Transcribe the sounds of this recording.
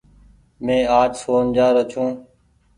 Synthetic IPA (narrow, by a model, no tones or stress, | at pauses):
mẽːaːd͡ʒsoːnd͡ʒaːɾət͡ʃʰũː